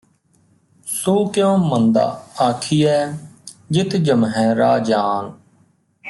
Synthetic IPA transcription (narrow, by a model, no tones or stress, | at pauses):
soːkɪjõːmənd̪a̰ːaːkʰiːɛː | d͡ʒɪt̪d͡ʒəmɦɛ̃ːɾaːd͡ʒaːn